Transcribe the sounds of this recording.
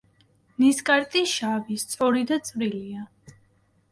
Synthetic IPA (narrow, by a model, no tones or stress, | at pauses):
niskʼaɾt̪ʼiʃavist̪sʼɔɾid̪at̪sʼvɾilia